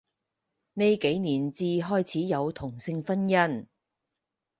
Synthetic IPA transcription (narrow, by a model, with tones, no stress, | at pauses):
ne˨˧jke˨˥jniː˨˩nt͡siː˧ɦɔː˥jt͡sʰiː˨˥jɐ˨˧wt̪ʰʊ˨˩ŋsɪ˧ŋfɐ˥njɐ˥n